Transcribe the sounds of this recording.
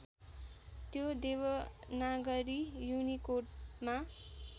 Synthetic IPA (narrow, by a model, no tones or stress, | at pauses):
t̪jod̪ewʌnaɡʌɾijunikoʈma